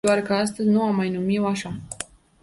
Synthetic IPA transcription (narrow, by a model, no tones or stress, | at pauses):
oarkəas̬t̪əzʲnuamːajnumiwaʃa